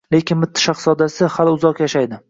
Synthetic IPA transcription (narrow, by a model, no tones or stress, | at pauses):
le̞kʲɪnmʊt̪ʰːɪ̥ʃaχsɒd̪asɪhalʊzɒqjaʃajd̪ɪ